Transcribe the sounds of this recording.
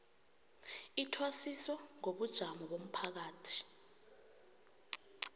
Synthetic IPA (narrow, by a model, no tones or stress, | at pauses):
itʰwasisɔŋoɓud̥ʒ̥ʱamɔɓom̩pʰak̬aːtʰi̥